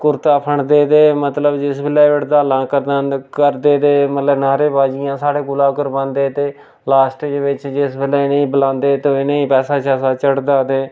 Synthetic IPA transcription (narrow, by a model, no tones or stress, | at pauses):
kʊɾt̪aːpʰəɳd̪eːd̪eːmət̪ləbd͡ʒɪsbɪleːʋɪʈd̪aːlãːkəɾd̪ãnkəɾd̪eːd̪eːmət̪ləbnaːɾeːbaːd͡ʒijãːsaːɽeːɡʊlaːkəɾbãːnd̪eːt̪eː | laːsʈːd͡ʒeʋɪt͡ʃd͡ʒɪsbɪleːneĩːbəlãːnd̪eːt̪õɪneĩːpɛːsaːt͡ʃaːsaːt͡ʃəɽd̪aːd̪eː